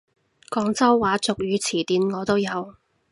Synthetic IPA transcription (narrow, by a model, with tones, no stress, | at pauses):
kɔː˧ŋt͡sɐ˥wwaː˨˥t͡sʊ˨k̚jyː˨˧t͡sʰiː˨˩t̪iː˨˧nŋɔː˨˧t̪o˥wjɐ˨˧w